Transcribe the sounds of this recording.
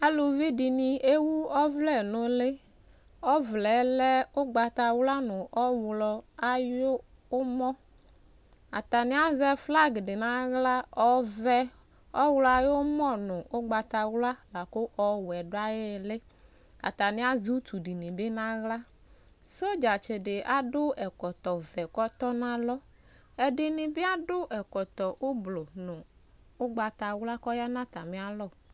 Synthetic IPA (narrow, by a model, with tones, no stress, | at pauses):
a˦lo˨vi˦dɪ˨nɪ˨e˦wu˦ɔ˦vlɛ˦˨nʊ˨lɪ˦ | ɔ˦vlɛ˨˦lɛ˦ʊ˦ɡ͡ba˨ta˨wla˦nʊ˨ʔɔ˦wlɔ˨a˨jʊ˦ | ʊ˦mɔ˦ | a̰˨ta˨nɪ˦a˦zɛ˦fla˦ɡdɪ˨na˦ɣla˦ɔ˦vɛ˦ | ɔ˦wlɔ˨a˨jʊ˦mɔ˦nʊ˨ʔʊ˦ɡ͡ba˨ta˨wla˦la˨kʊ˦ʔɔ˦wɛ˨dʊ˦a˦jɪ˦˨lɪ˦ | a̰˨t̪a˨nɪ̃˦a˦zu˦t̪u˨di˨ni˨bɪ˦nã˦ɣla˦ | so˦d͡ʒa˨t͡ʃɪ˨dɪ˨ʔa˦dʊ˦ɛ˨kɔ˨t̪ɔ˨vɛ˨kɔ˦t̪ɔ˦nã˦lɔ˦ | ɛ˨dɪ˨nɪ˨bɪ˦a˦dʊ˦ʔɛ˨kɔ˨t̪ɔ˨ʔʊ˦blo˨nʊ˨ | ʊ˦ɡ͡ba˨t̪a˨wla˦kɔ˦ja˦nã˦t̪a˨mɪ̃˦a˦lɔ˦˨